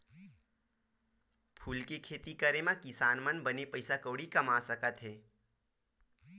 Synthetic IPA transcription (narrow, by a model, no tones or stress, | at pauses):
pʰuːlkekʰeːt̪ikəɾemãkɪsaːnmənbənepəɪsakoːɽikɐmaːsəkət̪ɦeː